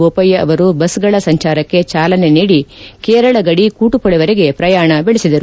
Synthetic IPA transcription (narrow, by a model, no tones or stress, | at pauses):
oːpɐjːɐʔɐ̰ʋɐɾubɐsɡɐɭɐsɐɲt͡ʃaːɾɐkːe̞t͡ʃaːlɐne̞niːɽikeːɾɐɭɐɡɐɽikuːʈupɐɭɛʋɐɾeɡe̞pɾɐjaːɳɐbeɭisid̪ɐɾu